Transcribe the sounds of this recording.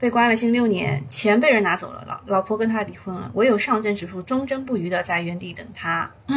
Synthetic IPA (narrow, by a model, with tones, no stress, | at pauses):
pe˥˩ɪkwa˥nlə˨˩ɕi˥˧ŋljo˥˩ʊnjɛ̰˧˥nt͡ɕʰjɛ˧˥npe˥˧ɪɻə˧˥na˧˥t͡so˨˩ʊlə̰˦l̰lɑ˧˥ʊpʰwɔ˥kə˥nt̪ʰa˥li˧˥˩xʰwə˥˩nlə̰˩wʔɔ˧˥jo˨˩ʊʂɑ˥˧ŋʈ͡ʂə˥˩nʈ͡ʂɻ̩˨˩ʂʰu˥˩ʈ͡ʂʊ˥ŋʈ͡ʂɤ˥ŋpu˥˩y˧˥d̪ə˧t͡sa˥˩ɪɥɛ˧˥nt̪i˥˩t̪ə˨˩ŋt̪ʰa˥ | n̩˥